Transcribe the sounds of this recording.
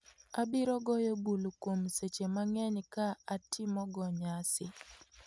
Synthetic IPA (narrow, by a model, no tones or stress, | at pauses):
abɪɾɔɡɔjobulkwomset͡ʃemaŋɛɲkaatʰɪmɔɡɔɲasɪ